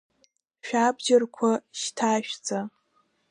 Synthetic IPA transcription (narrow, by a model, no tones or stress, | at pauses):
ʃᶣabd͡ʒarkʷʰaʃtʰaʃᶣd͡za